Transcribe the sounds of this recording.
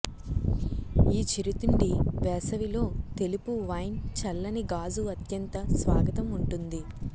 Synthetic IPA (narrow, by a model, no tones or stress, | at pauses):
iːt͡ʃiɾit̪uɳɖibɛːsɐʋilo̞ːt̪e̞lipuʋɐjnt͡ʃɐlːɐniɡaːzuɐt̪jɐnt̪ɐsʋaːɡɐt̪ɐmuɳʈund̪i